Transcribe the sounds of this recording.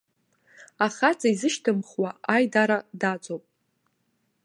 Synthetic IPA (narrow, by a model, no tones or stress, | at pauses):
aχat͡sʼaizɨʃtʰɨmχwaajdaɾadat͡sʷʼowpʼ